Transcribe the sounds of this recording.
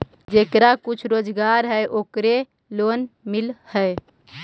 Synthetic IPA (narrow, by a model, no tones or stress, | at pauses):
d͡ʒekɾakut͡ʃʰɾoːd͡ʒɡaɾɦəʔoːkɾe | lonmilhəe